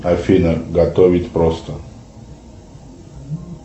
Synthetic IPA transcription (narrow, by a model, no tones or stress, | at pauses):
afʲinəɡɐt̪ovʲɪtʲpɾost̪ə